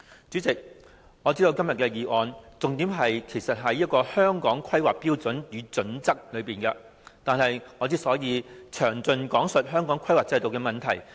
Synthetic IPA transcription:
t͡sy˨˥t͡sɪ˨k̚ | ŋɔː˨˧t͡siː˥d̪o˧wkɐ˥mjɐ˨t̚kɛː˧jiː˨˩ʔɔː˨˧nt͡sʊ˨ŋt̪iː˨˥mɦɐ˨jkʰe˨˩jsɐ˨t̚ɦɐ˨jːɐ˥t̚kɔː˧hœː˥ŋkɔː˨˥ŋkʰɐ˥jwaː˨k̚piː˥wt͡sɵ˨˥njyː˨˧t͡sɵ˨˥nt͡sɐ˥k̚lɵ˨˧ɥpiː˨˩nkɐ˧ | t̪aː˨nɦɐ˨jŋɔː˨˧t͡siː˥sɔː˨˥jiː˨˧t͡ʃʰœː˨˩ŋt͡sɵ˧nkɔː˨˥ŋsɵ˨t̚ɦœː˥ŋkɔː˨˥ŋkʰɐ˥jwaː˨˩t͡sɐ˧jt̪o˨wkɛː˧mɐ˨nt̪ʰɐ˨˩j

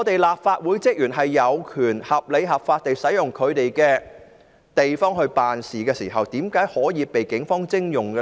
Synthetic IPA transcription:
ɔː˨˧t̪e˨jlaː˨p̚faː˧t̚wuː˨˥jt͡sɪ˥k̚jyː˨˩nɦɐ˨jːɐ˨˧wkʰyː˨˩nhɐ˨p̚le˨˧jɦɐ˨p̚faː˧t̚t̪e˨jsɐ˨˥jjʊ˨˩ŋkʰɵ˨˧ɥt̪e˨jkɛː˧ | t̪e˨jfɔː˥ŋhɵ˧ɥpaː˨nsiː˨˩kɛː˧siː˨˩ɦɐ˨wt̪iː˨˥mkaː˨˥jhɔː˨˥jiː˨˧pe˨jkɪ˨˥ŋfɔː˥ŋt͡sɪ˥ŋjʊ˨˩ŋɡə˧

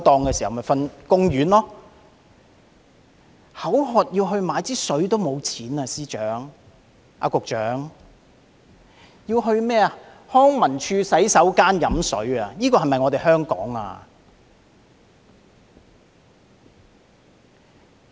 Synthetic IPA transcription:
t̪ɔː˧ŋkɛː˧si˨˩hmɐ˨˩fɐ˧nkʊ˥ŋjyː˨˥nlɔː˥ | hɐ˨˥wɦɔː˨t̚jiː˧wɦɵ˧ɥmaː˨˧jt͡siː˥sɵ˨˥ɥt̪o˥wmo˨˧wt͡sʰiː˨˥naː˧siː˥t͡ʃœ̰ː˨˥ŋ | ʔa̰˧kʊ˨k̚t͡ʃœː˨˥ŋ | jiː˧wɦɵ˧ɥmɛː˥ɐ˨ | hɔː˥ŋmɐ˨˩nt͡ʃʰyː˧sɐ˨˥jsɐ˨˥wkaː˥njɐ˨˥msɵ˨˥ɥa˨˧niː˥kɔː˧ɦɐ˨jmɐ˨jŋɔː˨˧t̪e˨jhœː˥ŋkɔ̰ː˨˥ŋa̰ː˧

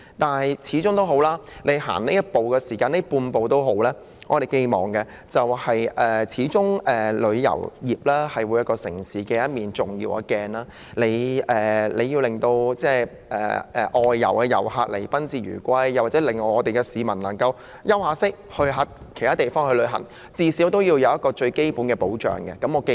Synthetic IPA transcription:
t̪aː˨nhɐ˨jt͡sʰiː˨˥t͡sʊ˥ŋt̪o˥wɦo˨˥wlaː˥ne˨˧jɦa̰ː˨˩ŋne˥jɐ˥t̚po˨wkɛː˧siː˨˩kaː˧ne˥puː˧npo˨wt̪o˥wɦo˨˥wlɛː˥ | ŋʔɔː˨˧t̪e˨jke˧jmɔ̰ː˨˩ŋkɛ˧ | t͡sɐ˨whɐ˨jʔɛː˨t͡sʰiː˨˧˥t͡sʊ˥ŋʔɛː˨˩lɵ˨˧ɥjɐ̰˨˩wjiː˨p̚laː˥hɐ˨jwuː˨˧jɐ˥t̚kɔː˧sɪ̰˨˩ŋsiː˨˥kɛː˧jɐ˥t̚miː˨nt͡sʊ˨ŋjḭː˧wa̰ː˧kɛː˧nlaː˥ | le˨˧jɛː˨le˨˧ji˧wlɪ˨ŋt̪o˧wt͡sɛː˥˩ | ɛ̰ː˨ʔɛː˨˧ʔɔː˨jːɐ̰˨˩wkɛː˧jɐ̰˨˩whaː˧k̚lḛ˨˩jpɐ˥nt͡siː˨˧ɥy̰ː˨˩kʷɐ˥jːa˨waː˨˩t͡sɛ˨˥lɪ˨ŋːɔː˨˧ɔː˨˧t̪e˨jkɛ˧siː˨˧mɐ˨˩nlɐ˨˩ŋkɐ˧w | jɐ˥whaː˨˧sɪ˥k̚hɵ˧ɦɐ˨˥t̚kʰe˨˩t̪ʰaː˥t̪e˨jfɔː˥ŋhɵ˧lɵ˨˧ɦɐ̰˨˩ŋ | t͡siː˧siː˨˥wt̪o˥wji˧wjɐ˨˧wjɐ˥t̚kɔː˧t͡ʃɵ˧ɥke˥jpuː˨˥nkɛː˧po˨˥wt͡ʃœ̰ː˨˩ŋɡɛ˧kɐ˨˥mɔː˨˧ke˧

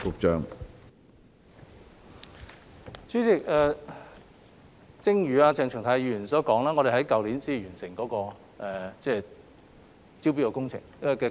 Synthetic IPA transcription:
kʊ˨k̚t͡ʃœː˨ŋ | t͡syː˥t͡sɪ˨˩k̚ɛː˨˧ | t͡sɪ˥ŋjyː˨aː˧t͡sɛː˨˧ŋʰœ˨˩t̪ʰaː˨˥jiː˧˩jy˨˩nsɔː˨˥kɔː˨˥ŋlaː˥ŋɔ˨˧ɾe˨˩ɦɐ˨˥jkɐ˨wliː˨˥nsiː˥˨jyː˨˩nsɪ˨˩ŋkɔː˨˥kɔː˧ | ɛː˨t͡sɛː˧ | t͡si˥wpi˥kːɔː˧kʊ˥ŋt͡sʰɪ̰˨˩ŋɛ˧kɛː˧

